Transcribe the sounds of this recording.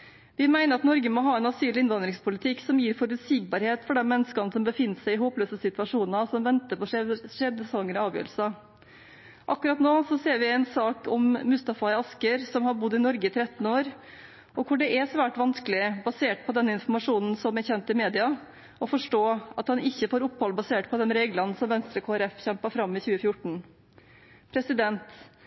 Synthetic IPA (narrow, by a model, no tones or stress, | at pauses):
ʋɪmæɪnəɾɑt̪nɔɾɡəmɔɦɑːɛnɑsyːlɪɪnʋɑnd̪ɾɪŋspʰʊlɪt̪ʰɪkːsɔmjiːɾfɔɾʉt̪siːɡ̚bɑːɾheːt̪fɔɖɛnmmɛnːəskɑnəsɔmbəfɪnːəsæɪɪɦoːpløːsəsɪt̪ʉʋɑʂuːnɑsɔmʋɛnt̪əpɔʂɛʂɛd̪əsɑŋːəɾɔɑːʋjø̰ːɾl̩sɑ | ʔɑkːʉɾɑt̪noːsɔseːɾʋɪæɪnsɑːkɔmmʉst̪ɑfɑɪɑskəɾsɔmhɑɾbʊd̪ːɪnɔɾɡəɪt̪ʰɾɛt̪n̩oːɾ | ɔkʰʊɖɛʔɛsʋæːʈʋɑnskəlɪbɑseːʈ̚pʰɔd̪ɛnːəɪnfɔmɑʂuːnn̩sɔmɛɾçɛnt̪ɪmeːd̪ɪɑ | ɔfɔʂʈoːɑt̪hɑnɪçːəfoːɾʊpːhɔlbɑseːʈpʰɔd̪ɛnɾeːɡlɑnsɔmʋɛnst̪ɾəkʰoːæɾɛfçɛmpəfɾɑmːɪçʉːəfjʊʈɳ̩ | pʰɾɛsɪd̪ɛnt̪